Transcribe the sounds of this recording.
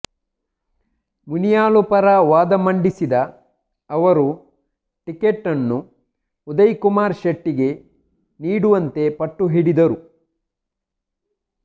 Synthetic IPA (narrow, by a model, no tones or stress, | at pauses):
munijaːlupɐɾɐʋaːd̪ɐmɐɳɖisid̪ɐ | ɐʋɐɾu | ʈikeʈːɐnːuː | d̪ɐjkumaːɾʃɐʈːiɡe̞ | niːɽuʋɐnt̪e̞pɐʈːuɦiɽid̪ɐɾu